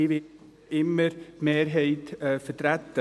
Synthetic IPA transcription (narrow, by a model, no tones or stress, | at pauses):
iʋɪ | ɪməɾmeːɾɦeɪt̪əfəɾtɾɛt̪ə